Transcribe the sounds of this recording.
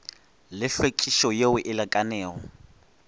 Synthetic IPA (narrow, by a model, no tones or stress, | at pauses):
lɪɬwekʼiʃɔjeʊʔɪlakʼanɛːɣɔ̰